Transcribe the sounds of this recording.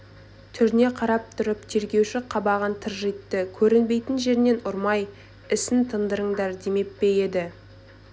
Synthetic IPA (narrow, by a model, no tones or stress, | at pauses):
t̪ʰʏɾne̞qʰɑɾɑp̚t̪ʰʊɾɪp̚t̪ʰe̞ɾɡʲe̞wʃɪqʰɑbɑʁɑnt̪ʰəɾʒijt̪ːəkʲʰɵɾɪnbe̞jt̪ɪnʒe̞ɾne̞nʊɾmɑj | ɪsɪnt̪ʰənd̪əɾəŋd̪ɑɾd̪eme̞t̪̚pe̞je̞d̪ɪ